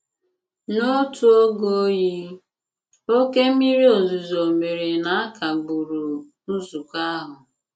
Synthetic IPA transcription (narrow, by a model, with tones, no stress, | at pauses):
no˦tu˦o˦ɡo˦ji˦ | o˦ke˦mi˦ɾi˦o˨zu˨zo˨me˨ɾi˨na˨a˦ka˨ɡ͡bu˨ɾu˨ | nu˦su˨kʷa˦ɦʊ˨